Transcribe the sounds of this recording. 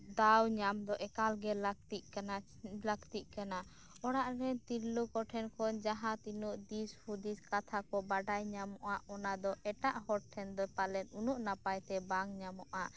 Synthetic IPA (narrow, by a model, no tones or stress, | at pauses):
d̪awɲamd̪ɔʔɛkalɡɛlakt̪iʔ̚kana | lakt̪iʔ̚kana | ɔɽaʔɾɛt̪iɾlukɔʈʰɛnkʰɔnd͡ʒaɦãt̪inuʔd̪ishud̪iskat̪ʰakɔbaɖajɲamɔʔaʔɔnad̪ɔʔɛʈaʔhɔʈ̚ʈʰɛnd̪ɔpalɛnunuʔnapajt̪ɛbaŋɲamɔʔa